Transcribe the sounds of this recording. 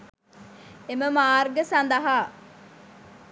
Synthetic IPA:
eməmaːrɡəsɐnd̪əɦaː

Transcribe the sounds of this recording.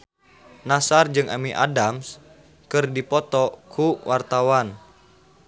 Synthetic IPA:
nasard͡ʒɨŋʔa̰miʔa̰dams | kɨrdipɔt̪ɔkʰuwart̪awan

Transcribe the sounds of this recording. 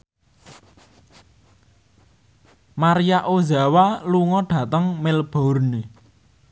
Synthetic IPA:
maɾijaʔozawaluŋɔɖ̥ä̤t̪əŋmelb̥ɔ̤ʊrne

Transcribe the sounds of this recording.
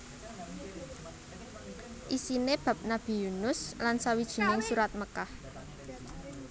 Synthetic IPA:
ʔisineb̥a̤p̚nab̥i̤junʊslansawid̥ʒ̥i̤nɪŋsuɾat̪̚məkah

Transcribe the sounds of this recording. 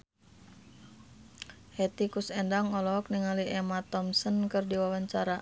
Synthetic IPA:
hɛt̪ikusɛndaŋɔlɔk̚niŋaliʔɛmat̪ɔmsənkɨrdiwawaɲt͡ʃaɾa

